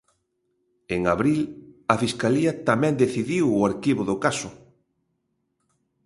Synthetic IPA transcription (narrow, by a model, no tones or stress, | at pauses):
eŋaβɾilɐfiskaliɐt̪amɛ̃nd̪eθiðiwʊaɾkiβʊðʊkasʊ